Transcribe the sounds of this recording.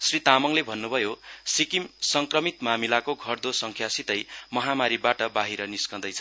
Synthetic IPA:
srit̪amʌŋlebʱʌnːubʱʌjosikimsʌŋkrʌmit̪mamilakoɡʱʌrd̪osʌŋkʰjasit̪ʌjmʌɦamaɾibaʈʌbaɦiɾʌniskʌd̪ʌjt͡sʰʌ

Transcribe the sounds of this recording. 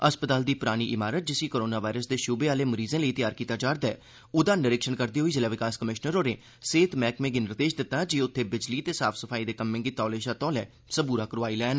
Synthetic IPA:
əspət̪aːld̪iːpʊɾaːñiːʔɪmaːɾət̪̚d͡ʒɪsiːkoːɾoːnaːʋaːɪɾəsd̪eːʃʊbeːaːleːməɾiːzẽːləiːt̪ɪjaːɾkiːt̪aːd͡ʒaːɾd̪ɛː | ʊd̪ãːnɪɾɪkʃənkəɾd̪iːɦoiːd͡ʒɪːlaːʋɪkaːskəmɪʃnəɾɦoːɾẽː | seːt̪mɛːkmẽːɡɪnɪɾt̪eːʃd̪ɪt̪ːaːd͡ʒiːʊt̪ʰːeːbɪd͡ʒliːt̪eːsaːpʰsəpʰaːiːd̪eːkəmːẽːɡiːt̪ɔːleːʃãːt̪ɔ̃ːlɛː | səbuːɾaːkəɾʋaːiːlɛːn

